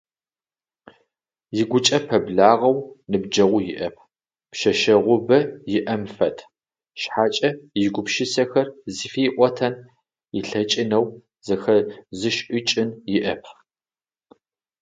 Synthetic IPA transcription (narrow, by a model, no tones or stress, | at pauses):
jɪɡʷʊt͡ʃʼɐpʰɐbɮaːʁɐwnɨb̚d͡ʒɐʁʷʊjɪʔɐpʰ | pʃɐʃɐʁʷʊbɐjɪʔɐmfɐtʰ | ʃħaːt͡ʃʼɐjɪɡʷʊpʃɪsɐxɐrzifiːʔʷɔtʰɐn | ɪɬɐt͡ʃʼɪnɐw | z̥ɐxɐzɨʃʔɪt͡ʃʼɪnjɪʔɐpʰ